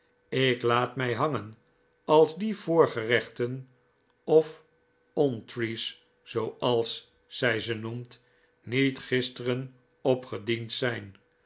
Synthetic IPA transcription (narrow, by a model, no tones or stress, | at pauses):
ɪklaːtmɛjɦɑŋən | ɑlˠzdiv̥ʊːɹχərɛχtən | ɔf | ɔntris | sowɑlˠs | sɛjzənumt | nitχɪstərən | ɔpχədintsɛjn